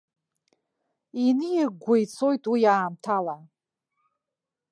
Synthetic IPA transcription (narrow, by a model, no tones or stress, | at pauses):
inɨjiɡʷajt͡sʰo̞jtʼwijaːmtʰala